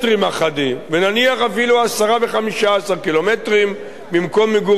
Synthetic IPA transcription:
tʁimaχadimvenaniaχafiluasaʁave̞χamiʃaasaʁkilo̞metʁim | bimko̞mːeɡu

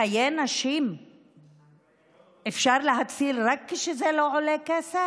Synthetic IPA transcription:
ajenaʃim | ʔefʃaɾleɦat͡silɾakːeʃezeloʕolekese

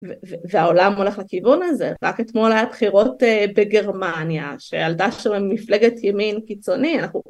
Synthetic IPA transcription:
veveveao̞lamo̞le̞χlekivunaze̞̰ʁake̞tmo̞lajabχiʁo̞tebeɡe̞ʁmanja̰ʃejaltaʃamemːifle̞ɡetjeminkit͡so̞nianaχnu

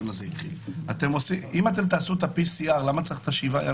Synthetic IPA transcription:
nazeit̪χilat̪e̞mosiʔimat̪̬e̞mt̪̬aːsuet̪apisiaʁlamat͡saʁiχt̪aʃivaja̰

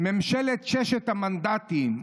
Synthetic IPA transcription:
memʃelet̪ʃeʃet̪hamand̪at̪im

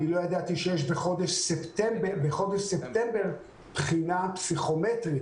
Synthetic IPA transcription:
ilo̞jad̪at̪iʃejeʃbeχo̞d̪eʃsept̪embebeχo̞d̪eʃsept̪embeʁ | pχinapsiχo̞met̪ʁit

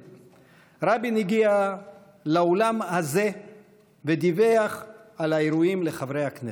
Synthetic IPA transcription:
ɾabiniɡia | laolamhaze̞ | ved̪ive̞aχalaeɾuimleχavɾejakne

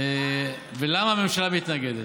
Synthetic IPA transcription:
velamame̞mʃalamit̪naɡed̪e

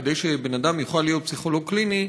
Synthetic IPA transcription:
d̪ejʃebenad̪amjuχalːijo̞t̪̚psiχo̞loɡ̚klini

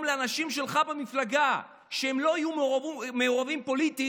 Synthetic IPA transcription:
mleanaʃimʃe̞lχabemiflaɡa | ʃeemlo̞ajumme̞oʁavimpo̞lit̪i

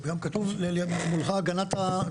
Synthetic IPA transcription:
ɡamkat̪uvlelmulχaɡanat̪a

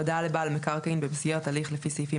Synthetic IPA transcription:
od̪alebalmekaʁkainbebizɡeʁat̪aliχlefisejfi

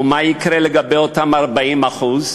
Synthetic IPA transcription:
umaikɾeleɡabejotamaʁbaimaχuz

